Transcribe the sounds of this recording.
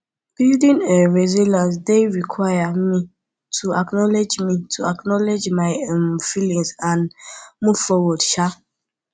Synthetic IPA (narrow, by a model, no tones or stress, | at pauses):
b̥ildĩŋɛɹezilãns̬deɹikʰwajami | tʰuaknɔled͡ʒmitʰuaknɔled͡ʒmaɪmfilĩŋsãnmuvfɔwɔdʃa